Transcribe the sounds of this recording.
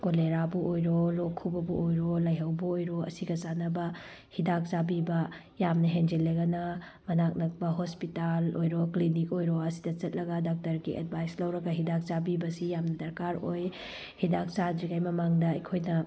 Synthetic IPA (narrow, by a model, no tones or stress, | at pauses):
koleɾabuʔojɾolokʰubɐbuojɾolɐjɦɐwbuojɾoɐ̰siɡɐzanɐbɐ | hidak̚t͡ʃabibɐ | jamnɐɦend͡ʒeleɡɐnɐ | mɐnak̚nɐk̚bɐɦospitalojɾoklinikojɾoɐsi̥dɐt͡ʃɐt̚lɐɡɐdak̚tɐɾɡiʔɐ̰d̚bʱajslɐwɾɐɡɐɦidak̚t͡ʃabibɐsijamnɐdɐɾkaɾoj | hidak̚t͡ʃad͡ʒiɡajmɐmaŋdɐɐjkʰojnɐ